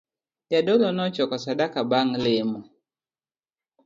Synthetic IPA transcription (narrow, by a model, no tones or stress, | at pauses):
jadɔlɔnɔt͡ʃɔkɔsadakabaŋlemɔ